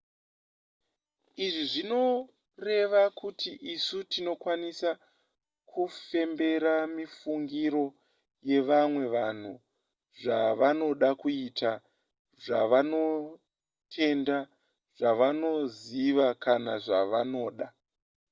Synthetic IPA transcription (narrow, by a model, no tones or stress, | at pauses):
iʐiʐino̞ | re̞ʋakutiʔisutino̞kwanisa | kʰufe̞mbe̞ɾamifuŋɡiɾo̞ | je̞ʋamwe̞ʋan̤u | ʐaʋano̞ɗakuita | ʐaʋano̞ | tʰe̞nda | ʐ̥aʋano̞ziʋakanaʐaʋano̞ːɗa